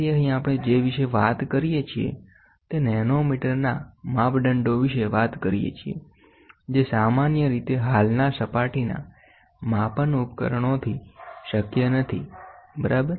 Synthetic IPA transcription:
jəɦĩapəɽ̃ed͡ʒeʋiʃeʋa̰t̪kəɾijet͡ʃʰiḛ | t̪enɛnomiʈəɾna̰mapɖəɳɖoʋiʃeʋat̪kəɾijḛt͡ʃʰiḛ | d͡ʒesamanjəɾit̪eɦalnasəpaʈina̰ | mapənupkə̰ɾəɳ̃ot̪ʰiʃəkjənət̪ʰḭbəɾəb

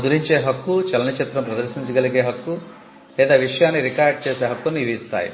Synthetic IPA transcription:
d̪uɾiɲt͡ʃe̞ːɦɐkːut͡ʃɐlɐnit͡ʃit̪ːɾɐmpɾɐd̪ɐɾʃiɲt͡ʃɐɡɐliɡe̞ːɦɐkːu | lɛːd̪aːʋiʂɐjaːnːiɾikaːɾɖ̚t͡ʃeːse̞ːɦɐkːunːiʋɐist̪a̰ːjḭ

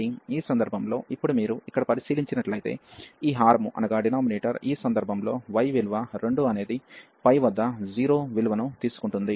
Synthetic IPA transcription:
iiːsɐnd̪ɐɾbʱɐmlo̞ːʔipːuɽumiːɾuikːɐɽɐpɐɾisiːliɲt͡ʃinɐʈlɐjt̪e̞̰ːiːɦaːɾmuʔɐ̰nɐɡaːɖinaːmineːʈɐɾiːsɐnd̪ɐɾbʱɐmlo̞ːʋɐjʋiluʋɐɾe̞ɳɖuɐne̞ːd̪i | pɐjʋɐd̪ːɐd͡ʒiːɾo̞ːʋiluʋɐnut̪iːsu̥kuɳʈund̪i

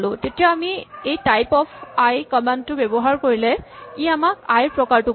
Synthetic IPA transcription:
lʊ̃tetijaːmiejtajpɔpʰajkɔmɛntʊbɛbɔɦaɹkoɹilɛiamak̚ajpɹɔkaɹtʊ

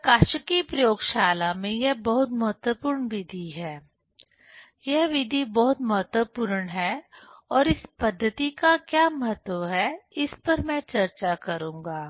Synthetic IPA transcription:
kaːʃəkipɾɐjoːɡʃaːlamẽjɛɦbɐɦʊt̪mɐɦət̪wəpʊːɾɳʋɪd̪ʱiɦɛː | jɛɦʋɪd̪ʱibɔɦʊt̪mɐɦət̪wəpʊɾəɳɦɛːɔːɾɪspɐd̪ʱːət̪ikakjaːmɐɦət̪wəʋɦɛɪspɐɾmɛ̃t͡ʃɐɾt͡ʃakɐɾũːŋɡaː

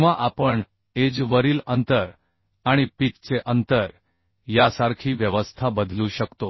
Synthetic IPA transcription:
ʋaʔapəɳ | ed͡zʋəɾiːlənt̪əɾ | aɽ̃ipitt͡seʔənt̪əɾ | jasaɾkʰiːʋjəʋəst̪ʰabəd̪ʱluːɕəkt̪o

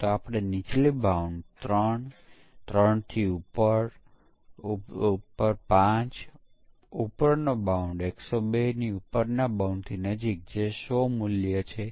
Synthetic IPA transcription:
t̪oapɽ̃enit͡ʃlibauɳɖt̪ɾəɳ | t̪ɾəɳt̪ʰiupəɾ | pəɾpãt͡ʃ | upəɾnobauɳɖeksobeniupəɾnabauɳɖt̪ʰinəd͡ʒik̚d͡ʒesomuljət͡ʃʰe

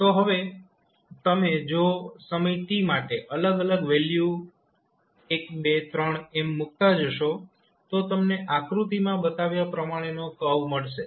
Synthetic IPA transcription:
t̪oɦəʋe | t̪əmed͡ʒosəmit̪imaʈeʔələɡələɡʋelju | ekbet̪ɾəɳ̃emːʊk̚t̪ad͡ʒəʃo | t̪ot̪əmneʔakɾut̪imãbət̪aʋjapɾəmaɽ̃enokəʋməɭʃe

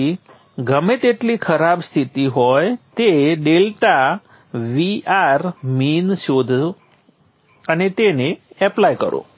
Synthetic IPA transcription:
i | ɡəmẽt̪eʈlikʰəɾabst̪ʰit̪iɦɔjt̪eɖelʈa | ʋiʔaɾminʃod̪ʱ | ənet̪eneɛplajkə̰ɾo̰

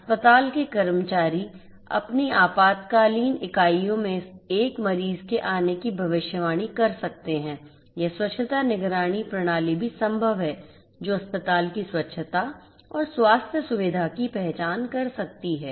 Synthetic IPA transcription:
ɐspət̪aːlkekɐɾmət͡ʃaːɾi | ɐ̰pniaːpaːt̪kaːliːnɪkaːijõmẽeːkmɐɾiːzkeʔaːnekibʱɐʋɪʃjəʋaːɽ̃ikɐɾsɐk̚t̪eɦɛ̃ː | jɛswɐtːʃʰət̪anɪɡɾaːɽ̃ipɾɐɽ̃aːlibʱisɐ̃mbʱəʋɦɛː | d͡ʒoːɐspət̪aːlkiswɐtːʃʰət̪a | ɔːɾswaːst̪ʰjəsʊʋɪd̪ʱakipɛɦt͡ʃaːnkɐɾsɐk̚t̪iɦɛː

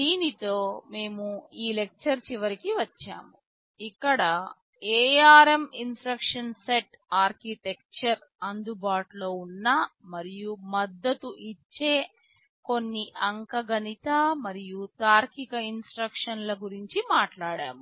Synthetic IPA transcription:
d̪iːnit̪o̞ːme̞ːmuiːle̞k̚t͡ʃɐɾt͡ʃiʋɐɾikiʋɐt͡ʃːa̰ːmu | ikːɐɽɐ | eːjaːɾeminsʈɾɐkʂɐnse̞ʈ | aːɾkit̪e̞k̚t͡ʃɐɾ | ɐnd̪ubaːʈlo̞ːunːamɐɾijumɐd̪ːɐt̪uʔit͡ʃːe̞ː | ko̞nːiʔɐŋkɐɡɐnit̪amɐɾijut̪aːɾkikɐinsʈɾɐkʂɐnlɐɡuɾiɲt͡ʃimaːʈlaːɽa̰ːmu

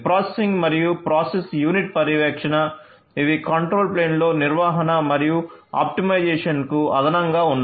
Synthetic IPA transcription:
pɾaːsesiŋɡmɐɾijupɾaːsesjuːniʈ̚pɐɾiʋɛːkʂɐnɐ | iʋikɐɳʈɾoːlpleːnlo̞ːniɾʋaːɦɐnɐmɐɾijua̰ːp̚ʈimɐjd͡ʒeɛːʂɐnkuɐ̰d̪ɐnɐŋɡaːunː

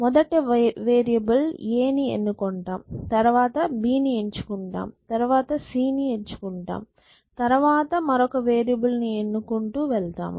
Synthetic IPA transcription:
mɔd̪ɐʈeʋeːɾijɐbɐleːniḛnːukoɳʈa̰ːmt̪ɐɾʋaːt̪ɐbiːnieɲt͡ʃu̥kuɳʈa̰ːmt̪ɐɾuʋaːt̪ɐsiːnie̞ɲt͡ʃu̥kuɳʈa̰ːm | t̪ɐɾʋaːt̪ɐmɐɾɔkɐʋeːɾijɐbɐlnienːukuɳʈuːʋɛɭt̪a̰ːm

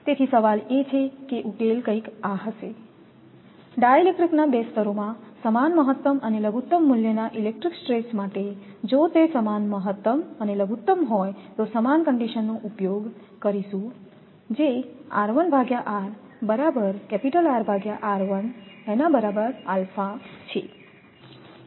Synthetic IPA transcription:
t̪et̪ʰisəʋalet͡ʃʰekeʔukelkə̃ikaɦəʃe | ɖajelek̚ʈɾiknabest̪əɾomãsəmanməɦət̪ːəməneləɡut̪ːəmːuljənaʔilek̚ʈɾiksʈɾesmaʈed͡ʒot̪esəmanməɦət̪ːəməneləɡut̪ːəmɦɔjt̪osəmankəɳɖiʃənːoʔupjoɡ | kəɾiʃũ | d͡ʒea̰ɾʋənbʱaɡjaʔaɾ | bəɾabəɾkɛpiʈəlaɾbʱaɡjaʔaɾʋənenabəɾabəɾalfat͡ʃʰḛ

